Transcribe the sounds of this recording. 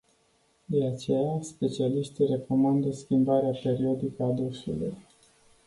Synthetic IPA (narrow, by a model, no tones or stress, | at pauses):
d̪e̞at͡ʃe̞jaspe̞t͡ʃialiʃt̪ire̞ko̞mand̪əskʲimbaɾeape̞ɾio̞d̪ikəad̪osulṵj